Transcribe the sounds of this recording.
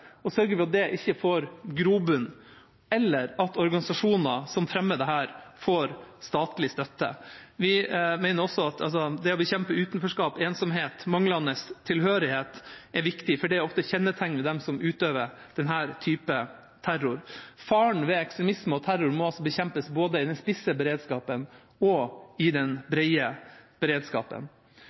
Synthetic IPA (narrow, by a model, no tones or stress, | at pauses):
ɔsœɾɡəɾɑt̪̚d̪ɛʔɪçːəfoːɾɡɾuːbʉn | ɛlːəɾɑt̪ɔɾɡɑnɪsɑʂuːnɑsɔmfɾɛmːəd̪ɛɦæːɾfoːɾst̪ɑːt̪lɪst̪œt̪ːə̰ʋɪmɛɪnəɾɔsːɔɑt̪ɑ̰ls̬ɔd̪ɛɔbəçɛmpəʉːt̪n̩fɔʂkɑːpeːnsɔmɦeːt̪mɑŋlɑnəst̪ʰɪlɦøːɾɪheːt̪ʔɛɾʋɪkt̪ɪfɔɖɛæɾɔft̪əçɛnːət̪ʰɛŋːʋɛd̪ɛmsɔmʉːt̪øːʋəɾ | d̪̥ɛnɦæːɾt̪ʰyːpə | t̪ʰæɾʊɾfɑːɳʋɛɛkst̪ɾɛmɪsməɔt̪ʰæɾʊɾmɔɑlsɔbəçɛmpəsboːd̪əɪd̪ɛnspɪsəbəɾeːd̪skɑːpən | ɔɪd̪ɛnbɾɛɪəb̥ɛɾeːd̪skɑ̰ːpə̰n